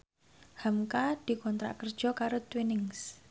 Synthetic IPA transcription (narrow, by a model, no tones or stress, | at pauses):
hamkad̪̥i̤kɔnt̪ɾa̰ʔkərd̥ʒ̥ɔ̤kaɾot̪winɪŋs